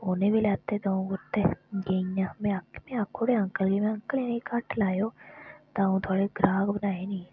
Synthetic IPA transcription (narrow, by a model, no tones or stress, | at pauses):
oːnebʱilaːt̪ed̪oːũɡʊɾt̪eɡeiãmẽɐkmẽɐkʰːoɽeɐ̃ŋkəlɡemẽɐ̃ŋkəleːnikaʈʰlaːjoːt̪aːũt̪ʰoːɽeɡɾaːɡbɐnaːenɐĩ